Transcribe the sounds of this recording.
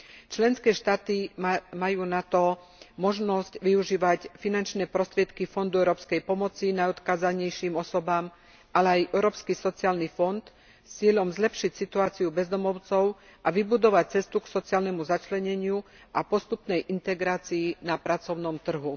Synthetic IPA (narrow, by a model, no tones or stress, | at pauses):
t͡ʃlɛnskɛːʃt̪aːt̪imajuːnat̪ɔ | mɔʒnɔscʋiuʒiːʋacfinant͡ʃnɛːpɾɔst̪ɾɪɛt̪kifɔnd̪uɛʊɾɔːpskɛjpɔmɔt͡sinajɔt̪kaːzaɲɛjʃimɔsɔbaːm | ʔalɛajʔɛʊɾɔːpskisɔt͡siaːlnifɔnt̪ | st͡sɪɛʎɔmzlɛpʃicsit̪uaːt͡siubɛzd̪ɔmɔʊt͡sɔʊʔaʋibud̪ɔʋac̚t͡sɛst̪uksɔt͡siaːlnɛmuzat͡ʃlɛɲɛɲɪu | ʔapɔst̪upnɛjʔint̪ɛɡɾaːt͡siːnapɾat͡sɔʊnɔmt̪r̩ɦu